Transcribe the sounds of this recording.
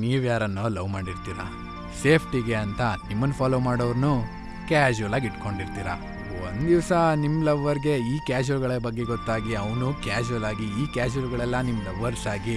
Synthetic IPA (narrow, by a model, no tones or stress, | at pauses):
niːʋjaːɾɐnːolɐʋmaːɽiɾt̪iːɾɐ̰ | se̞ːpʰʈiɡeɐnt̪ɐnimːɐnːpʰaːloːmaːɽoʋɾnu | kaːd͡ʒuɐlaːɡiʈko̞ɳɖiɾt̪iːɾɐ̰ | o̰nd̪d̪iʋsɐnimːlɐʋːɐɾɡe̞iːkaːd͡ʒuɐlɡɐɭɐbɐɡːe̞ɡɔt̪ːaːɡiɐʋnukaːd͡ʒuɐlaːɡiːkaːd͡ʒɐlɡɐɭɛlːɐnimːlɐʋːɐɾsaːɡi